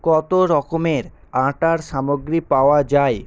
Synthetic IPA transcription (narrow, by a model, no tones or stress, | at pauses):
kɔt̪oɾɔkomeɾ | ãʈaɾʃamoɡɾipaoad͡ʑae